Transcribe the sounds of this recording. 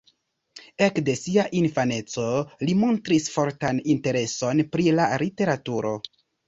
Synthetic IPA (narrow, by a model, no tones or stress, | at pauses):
e̞kde̞siaʔinfane̞t͡so̞limo̞ntɾisfo̞ɾtaninte̞ɾe̞so̞npɾilaɾite̞ɾatuɾo̞